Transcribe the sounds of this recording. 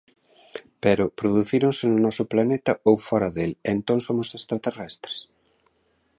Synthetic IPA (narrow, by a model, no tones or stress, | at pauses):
pɛɾʊpɾoðuθiɾoŋsɪnʊnɔsʊplanet̪ɐowfɔɾɐðelent̪õŋsomʊsest̪ɾat̪erɛst̪ɾe̥s